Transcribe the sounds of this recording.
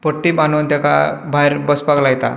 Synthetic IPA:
pəʈːiːbanuːnt̪akabʱajɾbəspaɡlajt̪a̰

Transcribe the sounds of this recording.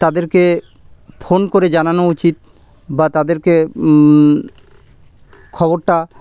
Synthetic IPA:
t̪ad̪eɾke | fʰonkoɾed͡ʑananout͡ɕit̪̚ | bat̪ad̪eɾke | kʰɔboɾʈa

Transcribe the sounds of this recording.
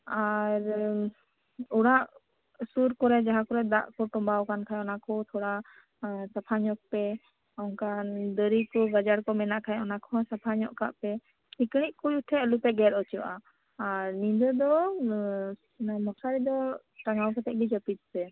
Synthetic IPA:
aɾ | uɽaʔ | suɾkɔɾɛd͡ʒaɦakɔɾɛd̪a̰ʔkɔʈɔmbawkankʰajɔnakʰɔt̪ʰɔɽa | sapʰaɲɔk̚pɛ | ɔŋkand̪əɾikɔɡad͡ʒaɽkɔmɛnaʔkʰajɛɔnakʰɔsapʰaɲɔʔka̰ʔpɛ | sikɽ̃iʔ̚kujuʈʰɛəlupɛɡɛɾɔt͡ʃɔʔa | aɾnĩd̪ɔd̪ɔ | mɔsʰaɾid̪ɔ | ʈaŋawpɛt̪ɛʔ̚ɡid͡ʒəpit̪̚sɛ

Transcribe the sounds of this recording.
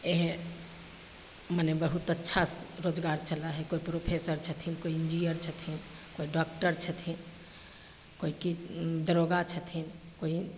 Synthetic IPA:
eɦ | mənebəɦut̪ətːʃʰasɾod͡ʒɡaɾt͡ʃʰəlaɦɛkoipɾopʰesəɾt͡ʃʰət̪ʰinkoiind͡ʒinijəɾt͡ʃʰət̪ʰin | koiɖɔk̚ʈəɾt͡ʃʰət̪ʰin | koikid̪əɾoɡat͡ʃʰət̪ʰin | koi

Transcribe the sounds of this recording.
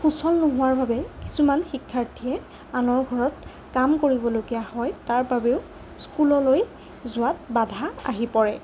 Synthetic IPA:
xusɔlnʊɦʊwaɹbʱabɛki̥sumanxikʰːaɹtʰiɛ | anɔɹɡʱɔɹɔt | kamkoɹibɔloɡijahɔjtaɹbabeʊ | skulɔloj | zʊwat̚badʱaa̰ɦipɔɹɛ

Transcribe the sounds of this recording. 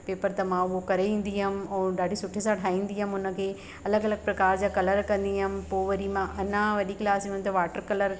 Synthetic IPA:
peːpəɾt̪ɐmãʊɦokɐɾeʋĩːn̆d̪iɦəmɪ̆ɛ̃ːɗaːɖʱisʊʈʰesãʈʰaːĩːnd̪iɦəmʊnə̆kʰeː | ɐləɡɐləɡ̚pɾɐkaːɾd͡ʑaːkɐləɾkɐ̃nd̪iɦəmɪ̆poːʋɐɾimãʔɐnãʋɐɗiklaːsiənt̪ɐʋaːʈəɾkɐləɾ

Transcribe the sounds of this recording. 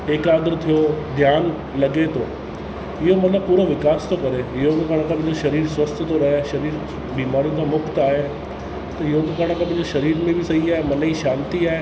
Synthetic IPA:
ekaːɡ̪ɾt̪ʰijod̪ʱjaːn | lɐɡet̪ʰo̰ː | ɪɦomɐt̪ʰləb̚puːɾoʋɪkaːst̪okɐɾeɪɦokkaɽ̃ãkãpɐ̃ɦd͡ʑoʃɐɾiːɾsʋɐst̪ʰt̪oɾɐɦʃɐɾiːɾ | biːmaːɾijũk̪amʊkt̪aːɦe | t̪ɐɪɦok̪ekaːɽ̃ãkʰãpɐ̃ɦɪ̃d͡ʑoʃɐɾiːɾmẽbʱisɐɦiaːɦemɐnəiʃãːnt̪iaːɦe

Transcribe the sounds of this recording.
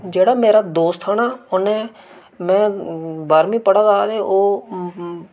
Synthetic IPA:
d͡ʒeːɽaːmeːɾaːd̪oːst̪ʰaːnaːʊnẽː | mɛ̃ːbaːɾmĩːpəɽaːd̪aːd̪eːʔoː

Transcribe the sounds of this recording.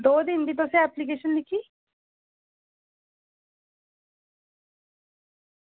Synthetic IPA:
d̪oːd̪ɪnbiːt̪̬ʊsẽɛplik̬eːʃənlɪkʰiː

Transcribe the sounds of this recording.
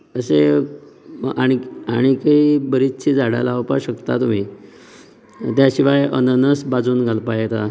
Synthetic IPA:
əse | aɽ̃iaɽ̃ikaibəɾit͡ɕʰid͡zaɽa̰laʋpaɕəkt̪at̪um̤iː | t̪jaɕiʋajənənəsbad͡zuːnɡʱalpajet̪a

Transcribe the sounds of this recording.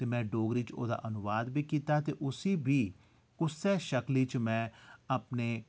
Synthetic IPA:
t̪eːmɛ̃ːɖoːɡɾiːt͡ʃo̰ːd̪a̰ːʔənʊʋaːd̪biːkiːt̪aːt̪eːʔʊsiːbʱiː | kʊssɛːʃəkliːt͡ʃmɛ̃ːəpneː

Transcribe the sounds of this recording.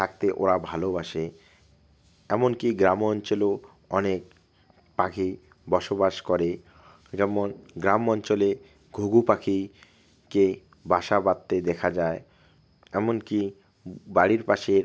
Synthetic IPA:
t̪ʰak̚t̪eʔoɾabʱalobaʃe | ɛmonkiɡɾamɔnt͡ɕolo | ɔnek̚ | pakʰi | bɔʃobaʃkɔɾe | d͡ʑɛmonɡɾamɔnt͡ɕole | ɡʱoɡupakʰi | ke | baʃabat̪ːed̪ɛkʰad͡ʑae | ɛmonki | baɽiɾpaʃeɾ

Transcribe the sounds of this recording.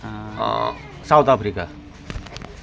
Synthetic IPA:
sawt̪apʰɾika

